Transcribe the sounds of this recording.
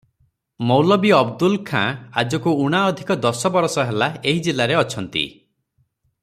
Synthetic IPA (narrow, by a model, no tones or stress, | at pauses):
mɔwlɔbiɔbd̪ulkʰã̰a̰d͡ʒɔkuuɽ̃aɔd̪ʱikɔd̪ɔsɔbɔɾɔsɔɦelaeɦid͡ʒilaɾeɔt͡ʃʰɔnt̪ḭ